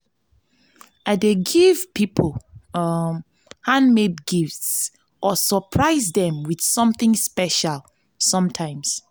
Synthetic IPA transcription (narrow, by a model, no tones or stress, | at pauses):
adeɡivpipʰəl | hãnmedɡifts | ʔɔsəpʰɹaɪzdɛ̃mwið̥sɔ̃mθĩŋspɛʃal | sʌ̃mtʰãɪ̃ms